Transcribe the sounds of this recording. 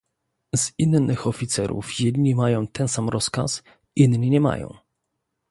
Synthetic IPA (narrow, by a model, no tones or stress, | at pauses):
zinnɘxɔfʲit̪sɛɾṵfjɛd̪ɲimajɔ̃w̃t̪ɛnsamɾʔɔska̰s | ʔinɲiɲɛma̰jɔ̰̃w̃